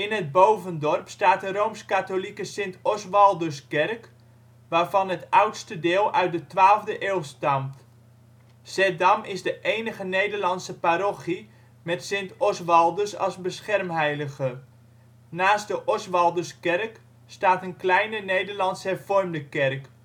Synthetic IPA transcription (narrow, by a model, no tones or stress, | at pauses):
ɪnɦəd̚bowvəndɔrpstaːt̚ərowmskatolikəsɪntɔsʋɑlˠdəskɛrk | ʋaːɹvɑnɦətʌwtstədɪːlˠʔœɥt̚dətʋaːlˠvdəʔeːlˠstɑmt | sɛdɑmɪzdəʔejnəχənejdəɹlɑnsəpaɾoχi | mɛtsɪntɔsʋɑlˠdəsɑ̰lˠzbəsχɛrmɦɛjləχə | naːsdəʔɔsʋɑlˠdəskɛrk | staːtənklɛjnənejdəɹlɑntsɦɛrfɔrmdəkɛrk